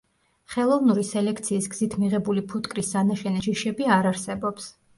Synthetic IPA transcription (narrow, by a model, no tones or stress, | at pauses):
χɛlˠɔvnuɾisɛlɛkʰt̪sʰiːsɡz̥it̪ʰmiʁɛbulipʰut̪ʼkʼɾisanaʃɛniʃiʃɛbiaɾaɾsɛbɔps